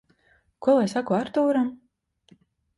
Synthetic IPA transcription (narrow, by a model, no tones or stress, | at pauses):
kuɔlˠajsakuaɾt̪uːɾam